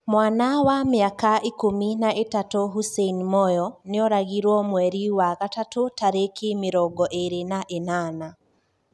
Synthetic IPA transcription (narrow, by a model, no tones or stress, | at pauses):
mwaːnawamɪakaikominaʔetatoɦuseinmɔjɔneɔɾaɣiɾwɔmwɛɾiwaɣatatotaɾekemeɾɔɡɔʔeɾenaʔenaːna